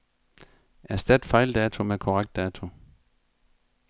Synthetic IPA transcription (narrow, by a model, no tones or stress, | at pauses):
æɐsd̥æd̥fɑ̈ɪld̥ɛːt͡sʰo̝mekʰɒʁaɡ̥̚d̥ɛːt͡sʰo̝